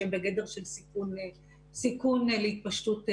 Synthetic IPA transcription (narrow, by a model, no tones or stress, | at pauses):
embeɡed̪e̞ʁʃelsikun | sikunlehit̪̚paʃtut